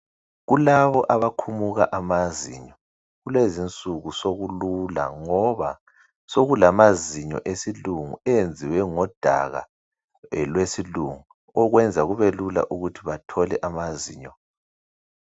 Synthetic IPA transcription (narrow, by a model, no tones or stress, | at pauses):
ɣulaβɔʔaβakʰumuɣaʔamazḭɲɔ | ɣulezint͡sʼuɣusoɣulula̰ŋɔβa | soɣulamaziɲɔ̰ʔesiluŋuɛjend͡zʱiwɛŋɔd̥ʱa̰ɣa̰ | lwesiluŋu | ɔɣwɛnd͡zʱaɣuβelula̰ʔuɣutʰiβatʰɔlɛʔamazḭːɲɔ